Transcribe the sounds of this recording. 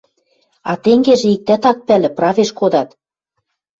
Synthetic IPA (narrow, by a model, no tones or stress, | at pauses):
ɑt̪eŋɡeʒĕik̚t̪æt̪ɑk̚pælɘ̆prɑveʃkod̪ɑt̪